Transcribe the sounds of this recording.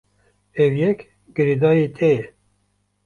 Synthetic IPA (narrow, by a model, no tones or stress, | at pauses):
ɛwjɛk | ɡɨɾed̪ɑːjeːt̪ʰɛjɛ